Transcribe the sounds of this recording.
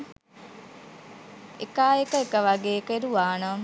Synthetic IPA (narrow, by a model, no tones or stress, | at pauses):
ḛkaːekəekəʋaɡeːekəeɾuʋaːna